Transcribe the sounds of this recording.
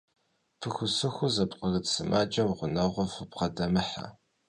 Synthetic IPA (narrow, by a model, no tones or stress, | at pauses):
pʰɨxʷʊsɨxʷʊzɐpqɐɣɨtsɨmaːt͡ʃʼɐwʁʷʊnɐʁʷɔfɨpqɐdɐmɨħa̰